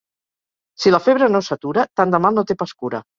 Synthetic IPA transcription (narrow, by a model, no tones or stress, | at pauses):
siləfeβɾənosat̪uɾət̪and̪əmalˠnot̪epaskuɾə̰